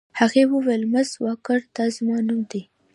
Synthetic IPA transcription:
haɣewəwelmazwɑkəɾd̪ɑzɪmɑnumd̪e

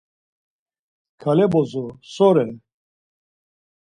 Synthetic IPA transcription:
kʰalɛbɔzɔsɔɾɛ

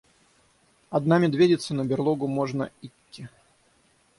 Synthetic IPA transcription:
ɐd̪namʲɪd̪vʲedʲɪt̪sənəbʲɪrlˠoɡʊmoʐnə̰itʲːɪ

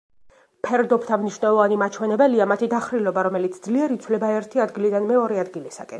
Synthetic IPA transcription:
pʰɛɾd̪ɔpʰt̪ʰamniʃwnɛlˠɔvanimat͡ʃʰwɛnɛbɛliamat̪ʰid̪aχɾilɔbaɾɔmɛlit̪sʰd̪zliɛɾit̪sʰwlɛbaɛɾt̪ʰiad̪ɡilid̪anmɛɔɾɛad̪ɡilisa̰kʼɛn

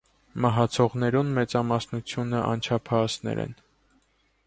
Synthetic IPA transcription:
mɑɦɑt͡sʰɔʁnɛɾunmɛt͡sɑmɑsnut͡sʰjunəʔɑ̰nt͡ʃʰɑpʰɑsnɛ̰ɾɛ̰n

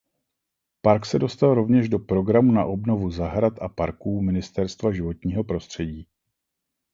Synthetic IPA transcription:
paɾksɛdo̞st̪alɾo̞vɲɛʒdo̞pɾo̞ɡɾamuna̰ʔo̞bno̞vuzaɦɾat̪ʔapaɾkuːmɪnɪst̪ɛɾst̪vaʒɪvo̞t̪ɲiːɦo̞pɾo̞st̪r̝̥ɛɟiː

